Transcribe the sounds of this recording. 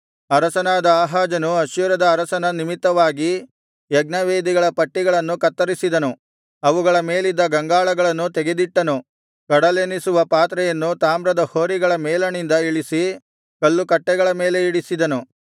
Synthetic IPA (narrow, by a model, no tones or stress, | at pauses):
ɐɾɐsɐnaːd̪ɐaːɦaːd͡ʒɐnuɐʃjuɾɐd̪ɐːɾɐsɐnɐnimit̪ːɐʋaːɡi | jɛɡ̚nɐʋeːd̪iɡɐɭɐpɐʈːiɡɐɭɐnːukɐt̪ːɐɾisid̪ɐnu | ɐʋuɡɐɭɐmeːlid̪ːɐɡɐŋɡaːɭɐɡɐɭɐnːut̪ɛɡe̞d̪iʈːɐnu | kɐɽɐleːnisuʋɐpaːt̪ɾɛjɐnːut̪aːmɾɐd̪ɐhoːɾiɡɐɭɐmɛːlɐnind̪ɐiɭisi | kɐlːukɐʈːɛɡɐɭɐme̞ːle̞iɽisid̪ɐnu